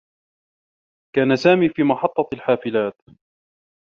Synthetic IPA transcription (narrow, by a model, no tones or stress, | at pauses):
kaːnasaːmiːfiːmɑħɑt̪ˤːɑlħaːfɪlaːt̪